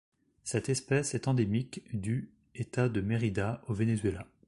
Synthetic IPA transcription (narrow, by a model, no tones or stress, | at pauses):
sɛt̪ɛspɛsɛt̪ɑ̃d̪emikd̪y | et̪ad̪əmeʁid̪aovenezɥela